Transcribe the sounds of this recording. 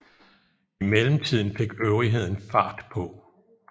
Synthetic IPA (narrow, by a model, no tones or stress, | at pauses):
imeləm̩t͡sʰið̞̰ˠn̩fe̝ɡ̥øʊʁiɦe̝ð̞̰ˠn̩fɑ̰̈ːd̥pʰɒ̽